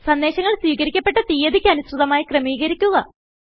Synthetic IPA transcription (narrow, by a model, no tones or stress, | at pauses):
sɐnd̪eːɕɐŋːɐɭswiːkɐɾikʲːɐpːe̞ʈːɐt̪ijɐd̪ikʲːɨɐnusrɨðɐmaːjikrɐmiːɣɐɾikʲːuɣɐ